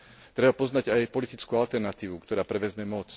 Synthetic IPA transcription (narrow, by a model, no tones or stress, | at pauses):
t̪ɾɛbapɔznaɟajpɔlit̪it͡skualt̪ɛɾnat̪iːʋukt̪ɔɾaːpɾɛʋɛzmɛmɔt͡s